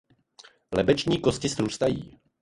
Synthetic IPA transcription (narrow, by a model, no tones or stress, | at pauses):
lɛbɛt͡ʃɲiːkoscɪsɾuːst̪ajḭː